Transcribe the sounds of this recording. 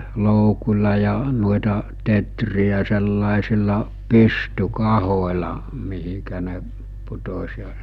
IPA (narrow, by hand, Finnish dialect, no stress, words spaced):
loukulʲɑ jɑ nuoetɑ tetriæ selːɑˑesilːɑ pystykɑholʲɑ mihikæ ne putosʲ jɑ